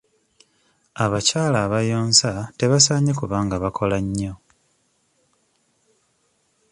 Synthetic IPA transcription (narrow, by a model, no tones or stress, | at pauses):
aβacaːlaːβajoːnsate̞βasaːɲekuβaːŋɡaβakʰo̞laɲːo̞